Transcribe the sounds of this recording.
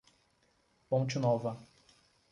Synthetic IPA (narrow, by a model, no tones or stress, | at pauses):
põt͡ʃɪnɔvɐ